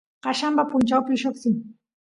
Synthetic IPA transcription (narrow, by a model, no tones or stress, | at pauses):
ɢɑʃampapʊnt͡ʃawpɪʃoχsɪŋ